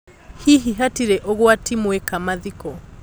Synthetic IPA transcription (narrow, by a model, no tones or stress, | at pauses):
hiɦiɦatiɾɛʔɔɣwatimwɛkamaðikɔ